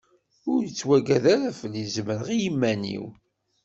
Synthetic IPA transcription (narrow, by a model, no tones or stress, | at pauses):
ʊɾjət͡sːwæɡæðaɾæfəlːizməɾʁijəmːænḭw